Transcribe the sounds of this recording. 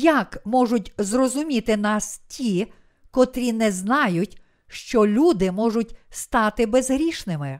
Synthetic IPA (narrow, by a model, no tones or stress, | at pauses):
jakmɔʒʊtʲzrɔzʊmʲit̪ɪnɑstʲʰi | kɔt̪ɾʲinɛznɑjʊtʲ | ʃt͡ʃɔlʲud̪ɪmɔʒʊt̚ʲst̪ɑt̪ɪbezɦɾʲiʃnɪmɪ